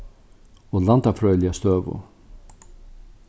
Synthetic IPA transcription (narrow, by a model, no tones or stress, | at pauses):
ɔlant̪afɾœːjlɪast̪øːvʊ̰